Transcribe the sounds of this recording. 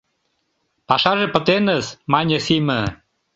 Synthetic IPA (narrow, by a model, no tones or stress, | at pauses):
pɑʃɑʒepə̆t̪enəsmɑnʲə̆simə̆